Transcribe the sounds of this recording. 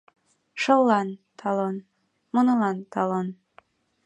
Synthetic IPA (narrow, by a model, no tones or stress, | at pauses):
ʃɤlːɑnt̪ʰɑlon | munɤlɑnt̪ɑlon